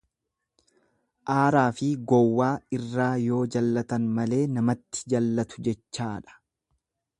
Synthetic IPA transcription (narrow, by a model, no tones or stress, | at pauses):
ʔaːɾaːfɪɡɔwːaːɪrːaːjo̞ːd͡ʒɐlːɐt̪ɐnmɐle̞ːnɐmɐt̪ːɪ̥d͡ʒɐlːɐt̪ʊ̥d͡ʒɛt͡ʃːaːᶑɐ̥